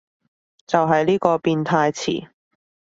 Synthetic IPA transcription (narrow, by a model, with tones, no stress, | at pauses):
t͡sɐ˨wɦɐ˨jliː˥kɔː˧piː˧nt̪ʰaː˧jt͡sʰḭː˨˩